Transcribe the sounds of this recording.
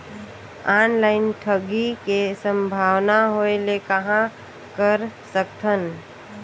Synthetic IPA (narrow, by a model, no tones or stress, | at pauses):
aːnlaɪnʈʰəɡikesə̃mbʱaːwnaɦoelekəɦã | kəɾsəkt̪ʰən